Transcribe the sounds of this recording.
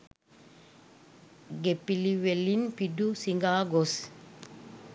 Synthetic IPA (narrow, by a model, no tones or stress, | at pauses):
ɡepiliwelinpidusiŋɡaːɡos